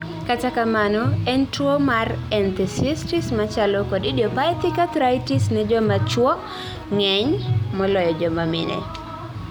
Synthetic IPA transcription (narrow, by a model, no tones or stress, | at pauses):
katakamanɔɛntuwomarɛnt̪ɛsistismat͡ʃalɔkɔdidiɔpat̪ɪkat̪ɾajtisnɛd͡ʒɔmat͡ʃwɔ | ŋɛɲmɔlɔjɔd͡ʒɔmamɪ̰nɛ̰